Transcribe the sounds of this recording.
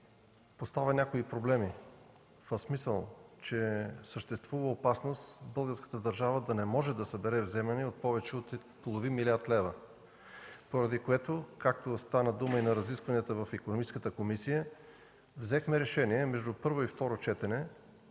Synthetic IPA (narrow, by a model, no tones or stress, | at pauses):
post̪avʲənʲakoipɾoblɛmi | fəsmisəlˠt͡ʃɛsəʃt̪ɛst̪vuvəopasnost̪bɤlˠɡəɾskə̥t̪əd̪əɾʒavəd̪ɐnɛmɔʒɛd̪ɐsɐbɛɾɛvzɛmɛniot̪̚pɔvɛt͡ʃɛot̪ | polˠovinmilʲiaɾt̪lɛvə | poɾɐd̪ikoɛt̪okak̚t̪ost̪anəd̪uməinɐɾɐziskvɐniət̪əvɐfikonomit͡ʃskət̪əkomisijə | vzɛxmɛɾɛʃɛniɛmɛʒd̪upɤɾvoift̪ɔɾot͡ʃɛt̪ɛnɛ